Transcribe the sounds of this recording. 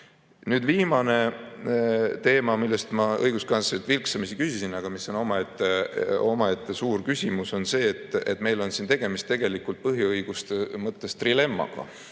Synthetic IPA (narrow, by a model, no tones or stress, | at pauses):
nyːd̪viːmɑne̞ | t̪e̞ːmɑmilːest̪mɑɤjɡ̥uskɑnset̪vilksɑmisikysisinɑɡ̥ɑmisːo̞no̞mɑet̪ːeo̞mɑet̪ːesuːrkysʲimuso̞nse̞ːt̪ːˑet̪me̞jlo̞nsint̪e̞ɡ̥e̞mist̪e̞ɡ̥e̞likult̪̚pɤɦjiɤjɡ̥ust̪emɤt̪ˑːe̞st̪rile̞mːɑ̰ɡ̥ɑ̰